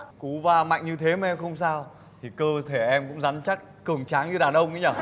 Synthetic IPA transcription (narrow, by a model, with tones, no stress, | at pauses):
ku˨˦vaː˧ma̰˧˨jŋ̟ɲɨ˧t̪ʰe˨˦mɛ˧xə˧wŋ͡msaː˧w | t̪ʰi˨˩kəː˧t̪ʰe˧˩ʔɛ˧mkʊ̰˧˥ŋ͡mza˨˦nt͡ɕa˦˥t̚kɨ˨˩əŋt͡ɕaː˨˦ŋɲɨ˧ɗaː˨˩nɗə˧wŋ͡mʔɨ̰˧˦ɲaː˧˩